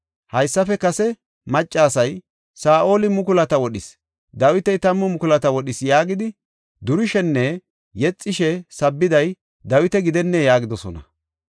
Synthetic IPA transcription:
hɐjsːɐfɛkɐsɛ | mɐt͡ʃʼːaːsɐj | saːʔo̞ːlɪmʊkʊlɐt̪ɐwɔɗɪs | d̪ɐwɪt̪ɛjt̪ɐmːʊmʊkʊlɐt̪ɐwɔɗɪsjaːɡɪd̪ɪ | d̪ʊɾɪʃɛnːɛ | jɛt͡sʼːɪʃɛsɐbːɪd̪ɐj | d̪ɐwɪt̪ɛɡɪd̪ɛnːɛjaːɡɪd̪ɔsɔnɐ̰

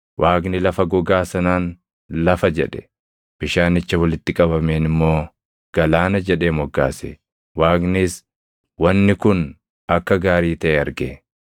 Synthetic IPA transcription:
wʔaːɡnɪlɐfɐɡɔɡaːsɐnaːn | lɐfɐd͡ʒɛᶑɛ̥ | b̥ɪʃaːnɪt͡ʃːɐwɐlɪt̪ːɪkʼɐbɐmeːnɪmːo̞ː | ɡ̥ɐlaːnɐd͡ʒɛᶑeːmɔɡːa̰ːsḛ | waːɡnɪs | wɐnːɪkʊn | ɐkːɐɡaːɾiːt̪ɐʔɛɐɾɡeː

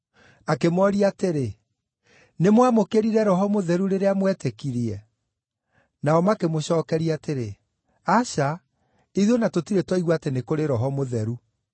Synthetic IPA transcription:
akemɔɾiateɾe | nemwamokeɾiɾɛɾɔɦɔmoðɛɾuɾeɾeamwɛtekiɾiɛ | naɔmakemoɕɔːkɛɾiateɾe | aʃa | iðonatotiɾetwɔiɣwaːtenekoɾeɾɔɦɔmoðɛɾu

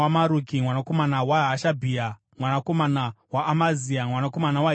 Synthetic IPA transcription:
amaɾukimwanako̞manawaɦaʃabʱia | mwanako̞manawaʔːmaziamwanako̞manawa

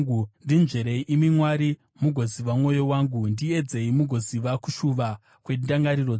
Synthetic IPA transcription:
undind͡ʒeɾe̞iʔimimwaɾi | muɡʱo̞ziʋamŋo̞jo̞waːŋɡundie̞d͡ze̞imuɡʱo̞ziʋaku̥ʃuʋa | kwe̞ndaŋɡaɾiro

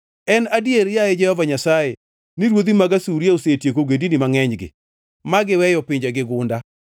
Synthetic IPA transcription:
ɛnadjeɾjajed͡ʒɛhɔvaɲasae | niɾwod̪imaɡasuɾjaosetjekoɡendinimaŋɛɲɡɪ̰ | maɡɪwɛjɔpɪɲd͡ʒaɡɪɡʊnda

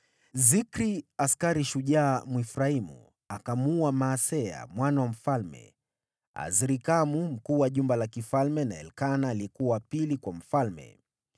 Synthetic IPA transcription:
zikɾiaskaɾiʃuʄaːmwifuɾaimṵ | akamuamaːsɛa̰mwanawam̩falmɛ̰ | a̰ziɾikamum̩kuːwaʄumbalakifalmɛnaɛ̰lkanaːliɛkuawapilikwam̩falmɛ̰

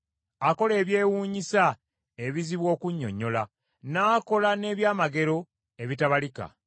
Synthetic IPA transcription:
ako̞le̞ːβje̞ːwuːɲisa | e̞βiziβwo̞ːkuɲːo̞̰ɲːo̞la | naːko̞lane̞ːβjaːmaɡe̞ɾo̞ | eβitaβalika̰

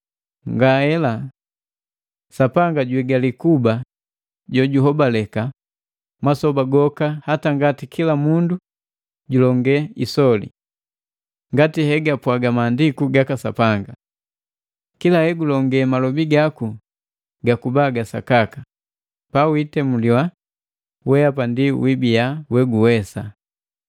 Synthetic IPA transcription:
ŋɡahɛla | sapaŋɡaɟwɛɡalikuba | ɟɔɟuɦɔbalɛka | masɔbaɡɔkahataŋɡatikʰilamundu | ɟulɔŋɡɛisɔlḭ | ŋɡatihɛɡapwaɡamaːndikuɡakasa̰paŋɡa | kilahɛɡulɔŋɡɛmalɔbiɡaku | ɡakubaɡasa̰kaka | pawitɛmuliwa | wɛapandiwibijawɛɡuwɛsa

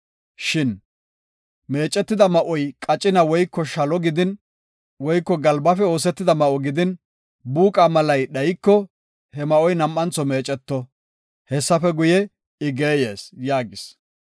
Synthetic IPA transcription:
ʃɪn | me̞ːt͡ʃʼːɛt̪ːɪd̪ɐmɐʔɔjkʼɐt͡ʃʼːɪnɐwɔjkːɔʃɐlɔɡɪd̪ɪn | wɔjkːɔɡɐlbɐfɛo̞ːs̬ɛt̪ːɪd̪ɐmɐʔɔɡɪd̪ɪn | buːkʼamɐlɐjɗɐjkːɔ | hɛmɐʔɔjnɐmʔːɐnt͡sɔme̞ːt͡ʃʼɛt̪ːɔ | hɛsːɐfɛɡʊjɛ | ɪɡe̞ːjeːsjaːɡɪs

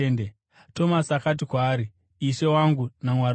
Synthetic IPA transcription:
ende | to̞masakat̬ikwaːɾi | ise̞waŋɡunamwaɾ

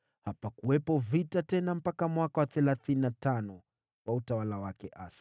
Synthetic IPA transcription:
hapakuwɛpɔvitatɛnam̩pakamwakawaθɛlaθininatanɔ | wʔautawalawakɛʔa̰si̥

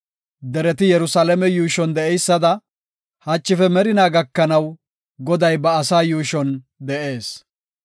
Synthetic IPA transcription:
d̪ɛɾɛt̪̬ɪjɛɾʊsaːlɛmɛjuːʃɔnd̪ɛɛjsːɐd̪ɐ | hɐt͡ʃːɪfɛmɛɾɪnaːɡɐkːɐnɐw | ɡɔd̪ɐjbɐːsaːjuːʃɔn | d̪ɛʔe̞ːs

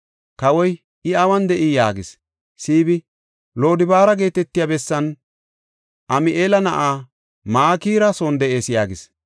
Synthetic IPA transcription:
kɐwɔj | ʔɪɐwɐnd̪ɛʔɪjaːɡɪs | siːbɪ | lo̞ːd̪ɪbaːɾɐɡe̞ːt̪ɛt̪ːɪjabɛsːɐn | ʔɐmɪʔeːlɐnɐʔaː | maːkiːɾɐsoːnd̪ɛʔe̞ːsjaːɡɪs

